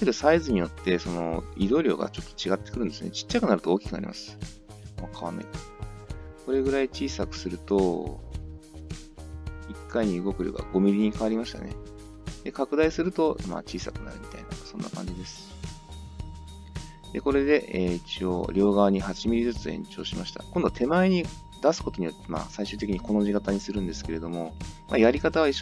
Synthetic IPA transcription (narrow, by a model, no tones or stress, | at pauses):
seɾɯ̟saizɨɲ̟ijo̞t̪ːe̞so̞no̞̰id̪o̞ːɾʲo̞̰ːɡa̰t͡ɕo̞t̪ːo̥t͡ɕiɡat̪ːekɯɾɯ̟̃nd̪esɨonet͡ɕi̥t͡ɕːakɯ̟naɾɯ̟t̪ooːkʲi̥kɯnaɾʲḭma̰sɨ̥ | akʰaβana̰i | ko̞ɾe̞ɡɯ̟ɾait͡ɕiːsakɯ̟̥sɨɾɯ̟t̪o̞ | ikːaiɲ̟iɯ̟ɡo̞kɯ̟ɾʲo̰ːɡa̰ɡo̞mʲiɾʲiɲ̟ikaβaɾʲimaɕi̥t̪a̰ne̞̰ | d̪̥e̞kakɯ̟d̪aisɨɾɯ̟t̪o̞ma̰ːt͡ɕiːsakɯ̟na̰ɾɯ̟mʲit̪a̰inasõ̞nːʔa̰kã̰ɲ̟d͡ʑid̪e̞sɨ̥ | d̪̥e̞ko̞ɾe̞d̪e̞ʔeit͡ɕio̞̰ɾʲo̞ːɡaβaɲ̟ihat͡ɕimʲiɾʲizɨt͡sɨḛ̃ɲt͡ɕo̞ːɕimaɕi̥t̪a̰kõ̞nd̪o̞t̪ʰe̞maiɲ̟i | d̪̥asɨ̥ko̞t̪o̞ɲ̟ijot̪ːema̰ːsaiɕɨːt̪̬e̞kʲiɲiko̞no̞ʑikat̪aɲ̟isɨɾɯ̟̃nd̪e̞sɨ̥ke̞ɾe̞d̪o̞mo̞majaɾʲikat̪aβaiɕ